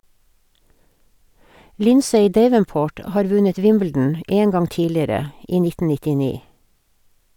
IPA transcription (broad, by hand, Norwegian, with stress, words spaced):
ˈlɪnseɪ ˈdeɪʋənˌpoːʈ ə ˈhɑːɾ ˈʋʉɲət ˈʋɪmbl̩dn̩ ə ˈʔeː ˈŋɡɑŋ ˈtiːlɪəɾə ˈiː ˈnɪtn̩ nɪtɪˈniː